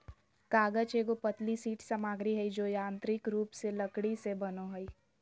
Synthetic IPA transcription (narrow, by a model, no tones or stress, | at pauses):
kaːɡət͡ʃeːɡopət̪lisiːʈsamaːɡɾiɦɐid͡ʒoːjãːnt̪ɾɪkɾuːpselɐkɽisebɐnoɦɐi